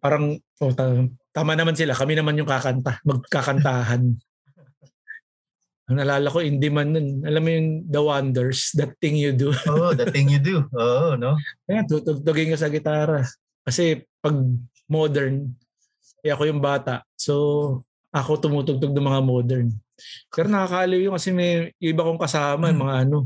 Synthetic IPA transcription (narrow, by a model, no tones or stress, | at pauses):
paːɾɐŋʔot̪at̪aːmanɐmansɪlakɐmɪnɐmanjʊŋkakɐnt̪amɐɡ̚kakɐnt̪aːɦɐn | ʔɐŋnɐlaːlɐko̞ʔɪnd̪ɪmanːonʔɐlamːojʊŋd̪ɐwand̪ɛɹsd̪ɐt̪ːɪŋjʊd̪ʊod̪ɐɪŋjʊd̪uʔoːʔnoɐjant̪ut̪ʊɡ̚t̪ʊɡɪŋkos̬ɐɡɪt̪aːɾɐ | kɐsɛpɐɡ̚ | moːd̪ɛɹn | ʔɐjʔɐko̞jʊŋbaːt̪ɐʔso̞ | ʔɐko̞t̪ʊmuːt̪ʊɡ̚t̪oɡ̚nʊŋmɐŋamo̞ːd̪ɛɹn | pɛːɾonɐkakɐʔɐliwjoŋkɐsɛmɛjʊʔɪbakoŋkɐsaːmɐjʊŋmːɐŋaʔɐno̞